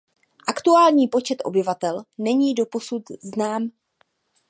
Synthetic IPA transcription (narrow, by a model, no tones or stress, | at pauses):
ʔakt̪uaːlɲiːpo̞t͡ʃɛt̪ʔo̞̰bɪvat̪ɛlnɛɲiːdo̞po̞sut̪znaːm